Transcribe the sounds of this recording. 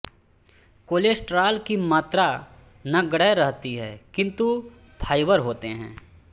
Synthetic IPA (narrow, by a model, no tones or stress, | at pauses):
koːleːsʈɾaːlkimaːt̪ɾa | nɐɡɐɽəɾɐɦt̪iɦɛːkɪ̃nt̪u | pʰaːɪʋəɾɦoːt̪eɦɛ̰̃ː